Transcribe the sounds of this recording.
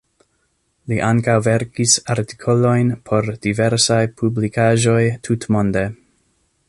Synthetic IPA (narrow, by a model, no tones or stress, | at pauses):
liʔaŋkawveɾkisaɾti̥kʰo̞lo̞jnpʰo̞ɾd̥ive̞ɾsajpʰublikʰaʒo̞jtʰutmo̞nde̞